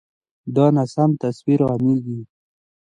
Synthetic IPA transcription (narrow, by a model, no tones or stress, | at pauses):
d̪ɑnasamt̪aswiɾɣamilɡ̪i